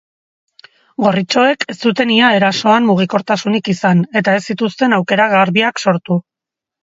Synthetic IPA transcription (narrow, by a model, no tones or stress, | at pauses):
ɡo̞rit͡ʃo̞e̞kʰe̞st͡s̪ut̪e̞niae̞ɾaso̞ammuɣ̞iko̞ɾt̪asunikisane̞t̪ae̞sːit̪ust̪e̞nawke̞ɾaɣaɾβiakso̞ɾt̪u